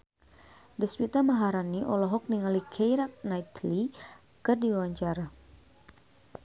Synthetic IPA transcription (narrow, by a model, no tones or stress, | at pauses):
dispit̪amaɦaɾaniʔɔlɔɦɔk̚niŋalikʰejɾak̚najt̪li | kɨrdiwawaɲt͡ʃaɾa